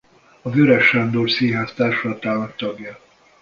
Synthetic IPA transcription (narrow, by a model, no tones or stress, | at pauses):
ɒvøɾɛʃand̪oːrsiːɦaːst̪aːrʃolɒt̪aːnɒkt̪ɒɡjɒ